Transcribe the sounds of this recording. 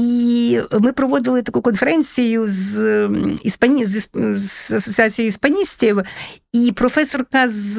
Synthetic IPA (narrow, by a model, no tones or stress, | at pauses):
imɨpɾɐvod̪ɨlˠɨt̪ɐkujʊkonfʲɪɾɛnsʲɪjʊz | ɪspɐnʲzɪszɐsətsɨat̪sʲɨjɪspɐnʲisʲtʲɪvipɾofɛsorkɐz